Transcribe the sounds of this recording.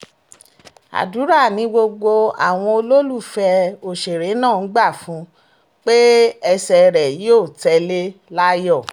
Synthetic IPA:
a̰˨du˨˦ɾa˦˨nĩ˨˦ɡ͡bo˧ɡ͡bo˧a̰˨w̃ɔ̃˧o˧lo˦lu˦˨fɛ˧o˨ʃe˨ɾe˨˦nãː˦˨n̩˦ɡ͡ba˦˨fũ˨˦ | k͡pe˦ɛ˧sɛ˧ɾɛ˨ji˦o˦˨tɛ˧le˦la˦jɔ˦˨

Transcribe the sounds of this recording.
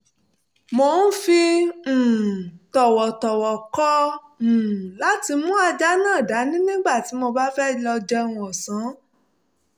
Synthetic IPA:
mo˧˦n̩˦fĩ˧˨ | tɔ˨wɔ˨tɔ˨wɔ˨kɔ̃˦˨ | la˨˦ti˧mũ˦a˧d͡ʒa˦nãː˦˨da˨˦nĩ˦nĩ˦ɡ͡ba˦˨ti˨˦mo˧ba˦fɛ˦˨lɔ˧d͡ʒɛ˧wũ˧˦ɔ˨sã˨˦

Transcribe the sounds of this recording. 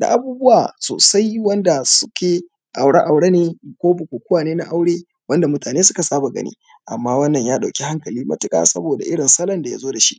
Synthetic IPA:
da̰˨ʔa˨buː˦bʊ˦waː˨so̰ː˨sa˦jwɐ˦nda˨sʊ̥˦kʲʰeː˨ | ʔa˨wɽa˦ʔa˨wɽe˦neː˦kʷoː˦bʊ˨kʷoː˨kʷʊ˦waː˨neː˦na˦ʔa˦wɽeː˦ | wɐ˦nda˨mʊ˦taː˨neː˦sʊ˦ka˨saː˦ba˨ɡɐ̰˦nḭː˦ | ʔa̰˨mːaː˦wɐ˦nːɐ˨ɲjaː˦ɗa˨wkʲi˦ha˦ŋkɐ˨liː˦mɐ̰˦tɪ˦kʼa̰ː˨sɐ̰˦boː˨da̰˨ʔɪ˦ɽɪ˨nsɐ˦lɐ˦nda˨ja̰˦zoː˦da˨ʃḭ˦ʔ

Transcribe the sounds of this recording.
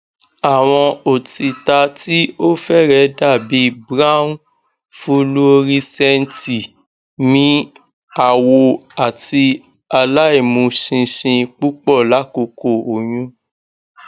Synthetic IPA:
a˨w̃ɔ̃˧o˨ti˨ta˧ti˦o˦fɛ˦˨ɾɛ˨˦da˦˨bi˨˦bɾa˦ũ˦ | fu˦lu˦o˧ɾi˦sɛ˦n̩˦ti˨ | nĩ˨˦ | a˦˨wo˧a˨ti˧ | a˧la˦i˦˨mũ˧ʃĩ˧ʃĩ˧k͡pu˦k͡pɔ˦˨la˨˦ko˧ko˦˨o˨j̃ũ˦

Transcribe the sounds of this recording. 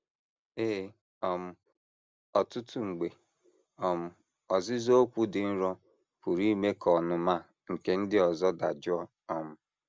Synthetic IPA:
eː˦ | ɔ˦m̩˦ | ɔ˨tʊ˦tu˦ŋ͡m̩˨ɡ͡be˨ | ɔ˨m̩˦ | ɔ˨zɪ˦zo˦o˦kʷu˦dɪ˨n̩˦ɾɔ˦ | pu˨ɾi˦me˦kʰɔ˨nʊ˨ma˦ | ŋ̩˨ke˦n̩˦dɪ˦ɔ˨zɔ˦da˨d͡ʒɔ˦ | ɔ˨m̩˦

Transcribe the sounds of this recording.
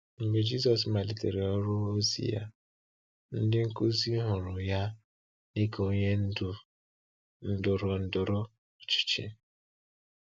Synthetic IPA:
ŋ͡m̩˨ɡ͡be˨d͡ʒi˦z̬ɔ˨s̬ma˨li˨te˨ɾe˨ɔ˦ɾʊ˦o˦zḭ˦ja̰˦ | n̩˦dɪ˦ŋ̩˦ku˦zi˦ɦʊ˨ɾʊ˨ja˦ | ni˦ko˦ɲe˦n̩˦dʊ˨ | n̩˦dʊ˨ɾɔ˨n̩˦dʊ˨ɾʊ˦˨ | t͡ʃi̥˨t͡ʃḛ˦

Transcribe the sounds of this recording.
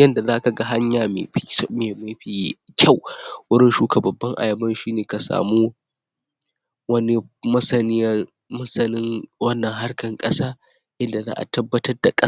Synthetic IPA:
jɐ˦nda˨zaː˦ka˨ɡa˦ɦa˦ɲjaː˨mḛː˨˦meː˨ma˨ɸi˨˦ | kʲʰɐ˦˨wwʊ˦ɽɪ˦nʃuː˦ka˨bɐ˨bːɐ˦ŋʔa̰˨jɐ˨bɐ˦nʃiː˦neː˨ka˨sa̰ː˨muː˦ | wɐ˦ni˦mɐ˦sɐ˨n˦ | mɐ˦sɐ˨nɪ˦ŋwɐ˦nːɐ˨ŋɦa˦rkɐ˨ŋkʼɐ˦saː˦ | ʔɪ˦nda˨za̰ː˦ʔa̰˨tɐ˦bːɐ˦tɐ˦rda˨kʼɐ˦

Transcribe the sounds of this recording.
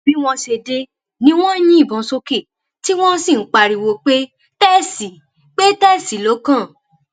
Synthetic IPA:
bi˨˦w̃ɔ̃˧ʃe˧de˧ | nĩ˦w̃ɔ̃˦j̃ĩ˦i˦˨bɔ̃˨so˧ke˨ | ti˦w̃ɔ̃˦sĩ˦˨n̩˦k͡pa˧˨ɾi˨wo˧k͡pe˦ | tɛ˦˨si˨ | k͡pe˦tɛ˦˨si˨˦lo˨˦kã˦˨

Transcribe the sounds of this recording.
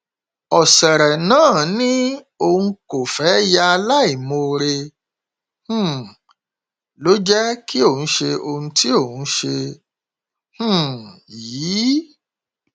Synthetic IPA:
ɔ˨sɛ˨ɾɛ˨nãː˦˨nĩ˦ | o˧hũ˧ko˨fɛ˨˦ja˧a˧la˦i˨mo˧ɾe˧ | h̩˦˨ | lo˨˦d͡ʒɛ˦ki˦o˦˨ũ˨˦ʃe˧o˧hũ˦ti˦o˦˨ũ˨˦ʃe˧ | h̩˦˨jiː˨˦

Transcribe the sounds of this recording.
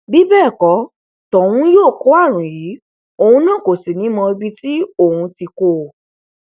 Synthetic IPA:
bi˦bɛː˦˨kɔ˨˦ | tɔ˨w̃ũ˦joː˦˨ko˦a˦˨ɾ̃ũ˨jiː˨˦ | o˧hũ˧nã˦˨ko˨si˨nĩ˨˦mɔ̃˧e˧bi˦ti˦o˦˨hũ˧ti˧ko˧˨

